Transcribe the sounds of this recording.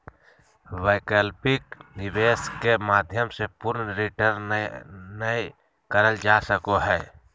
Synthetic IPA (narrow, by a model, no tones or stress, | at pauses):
ʋəɪkəlpɪknɪbeːskemaːd̪ʱjəmsepʊɾnəɾiʈəɾ | nəi | kəɾəld͡ʒaːsəkoɦɛː